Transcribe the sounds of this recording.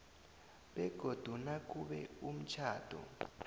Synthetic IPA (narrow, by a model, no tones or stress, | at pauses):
ɓɛɡ̥ʱod̥ʱunak̬ʼuɓɛum̩t͡ʃʰaːd̥ʱɔ̰